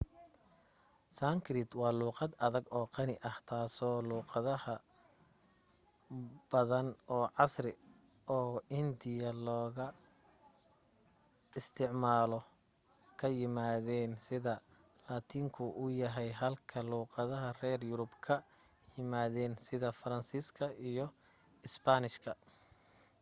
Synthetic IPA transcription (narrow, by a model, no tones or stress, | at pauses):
sɐŋkʰrɪt̪wɑːluːqɑd̪ɐðɐɡɔːqɑnɪʔɐht̪ʰaːsɔːluːqɑðɐhɐ | b̥ɐðɐnɔːʕɑsrɪ | ɔːɪnd̪ɪjɐlɔːɣɐ | ɪst̪ʰɪʕmaːlɔ | kʰɐjɪmaːðɛːnsɪðɐ | laːt̪ʰiːŋkʰʊʔʊjɐɦɛjɦɐlkʰɐluːqɑðɐɦɐrɛːrjʊɾʊbkʰɐ | jɪmaːðɛːnsɪðɐfɐɾɐnsiːskʰɐʔijɔ | ɪspanɪʃkʰɐ